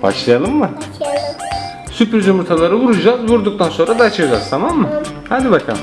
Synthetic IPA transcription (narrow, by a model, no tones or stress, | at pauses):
ba̰ʃlˠajalˠɯmːɯ | sypɾizymuɾt̪ʰalˠaɾɯvuɾud͡ʒazvuɾd̪uk̚t̪ʰanso̞nɾad̪aːt͡ʃʰɯd͡ʒaːzt̪ʰamamːɯhad̪ibakʰa̰m